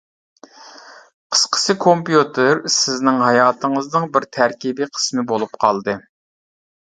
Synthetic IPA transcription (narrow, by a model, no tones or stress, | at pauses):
qʰə̥sqʰə̥sɨkʰompjut̪ʰɪɾsɪznɪŋɦɑjɑːt̪ʰəŋəznɨŋbɪɾt̪ʰæɾkʲibiqʰə̥smɨbolˠupqʰɑlˠd̪ɨ